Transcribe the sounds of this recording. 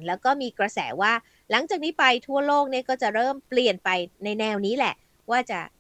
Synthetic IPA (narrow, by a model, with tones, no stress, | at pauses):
nlɛː˦˥wkɔː˥˩miː˧kɾa˧sɛ̰ː˩˦waː˥˩ | la˨˩˦ŋt͡ɕaː˨˩k̚niː˦˥pa˧jt̪ʰu˥˩əloː˥˩k̚ni˥˩ɐkɔː˥˩t͡ɕa˨˩ɾɤː˥˩mpli˨˩ənpa˧jna˧jnɛː˧wniː˦˥lɛ˨˩ʔ | waː˥˩t͡ɕa̰˨˩